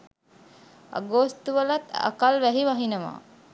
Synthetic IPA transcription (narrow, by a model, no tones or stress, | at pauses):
a̰ɡost̪uʋəlat̪a̰kalʋæɦiʋaɦinəma̰ː